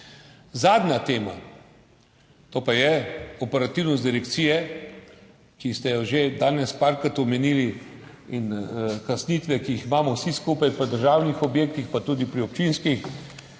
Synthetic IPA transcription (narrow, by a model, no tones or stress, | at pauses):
zaːd̪nʲat̪eːma̰ | t̪oːpajɛɔpɛɾat̪iwnɔs̬t̪d̪iɾɛkt̪siːjɛ | kist̪ɛjɔʒed̪aːnɛspaːɾkat̪ɔmɛniːli | inkasnit̪ʋɛkiiximaːmɔwsiskuːpajpəd̪əɾʒaːwnixɔbjeːk̚t̪ixpat̪uːd̪ipɾiɔp̚t͡ʃinskix